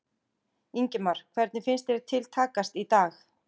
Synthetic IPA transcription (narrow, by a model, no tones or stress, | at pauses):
iɲcɪmaɾ̥kʰvɛɾt̪nɪfɪnst̪ɛɾt̪ʰɪlt̪ʰaːkast̪it̪aːx